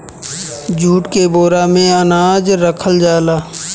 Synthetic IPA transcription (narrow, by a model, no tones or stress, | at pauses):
d͡ʒʱuːʈkeboːɾamẽɐnaːd͡ʒɾəkʰəld͡ʒaːlaː